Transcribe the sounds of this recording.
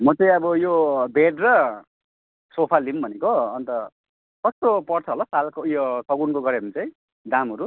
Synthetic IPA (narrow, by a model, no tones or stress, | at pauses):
mʌt͡saĩʌbʌjobeɖrʌ | sopʰalimbʱʌnekoʌnt̪ʌ | kʌst̪opʌrt͡sʰʌɦlʌsalkojosʌɡunkoɡʌɾeʌmit͡saĩ | d̪amɦʌɾu